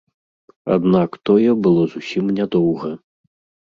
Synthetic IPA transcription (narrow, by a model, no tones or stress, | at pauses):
a̰d̪nakt̪ɔjɛbɨlˠɔzusʲimnʲɛd̪ɔwɣɐ